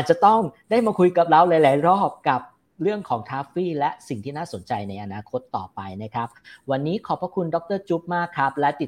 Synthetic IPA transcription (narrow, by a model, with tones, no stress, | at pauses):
ʔaː˨t̪̚t͡ɕa˨˩t̪ɔ˥˩ŋdaː˥˩jmaː˧kʰu˧jka˨˩p̚ɾa˧wlaː˨˦jlaː˩˦jɾɔː˥˩p̚ka˨˩p̚ | ɾɯ˥˩əŋkʰɔː˩˦ŋt̪ʰaː˦˥fiː˥˩lɛ˦˥si˨˩ŋt̪ʰiː˥˩naː˥˩so˨˩˦nt͡ɕa˧jna˧jʔa˧naː˧kʰo˦˥t̪ːɔ̰ː˨˩pa˧jna˦˥kʰa˦˥p̚wa˧nːiː˦˥kʰɔː˨˩˦pʰɾa˦˥kʰu˧ndɔ˨˦˥k̚t̪ɤː˥˩t͡ɕuː˦˥p̚maː˥˩kʰːa˦˥p̚lɛ˦˥t̪i˨˩